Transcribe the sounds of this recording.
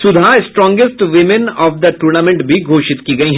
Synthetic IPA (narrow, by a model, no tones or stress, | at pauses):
sʊd̪ʱaɪsʈɾɔ̃ːŋɡɪsʈ̪ʋɪmɪnɔːfd̪ɐʈuːɾnaːmẽɳʈbʱiɡʱoːʃɪt̪kiɡɐiɦɛ